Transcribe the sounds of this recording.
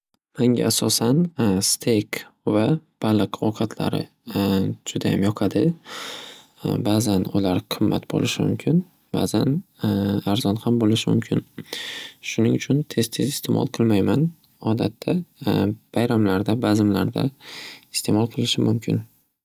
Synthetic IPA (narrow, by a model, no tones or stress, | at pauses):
maŋɡʲa̰ːsɒsanst̪ʰejkvab̥alˠɨqʰɒqʰɑt̪ʰla̰ɾɪ̰ | d͡ʒʊd̪aja̰mjɒqʰɑd̪ɪ | baːzanʊlaɾqʰɨmːa̰t̪bo̰lɪʃɪmʊ̰mkʲʰɪn | ba̰zan | aɾzɒnhambolɪʃɪmʊ̰mkʲʰɪn | ʃʊnɪŋʊt͡ʃʰʊnt̪ʰe̞z̥t̪ʰe̞zɪst̪ʰe̞mɒ̰lˠqʰɨlˠmajman | ɒd̪at̪ʰːa | b̥ajɾamlaɾd̪abazɪmla̰ɾd̪a̰ɪ̥st̪ʰe̞mɒlˠqʰɨlˠɪʃɪmʊmkʲʰɪn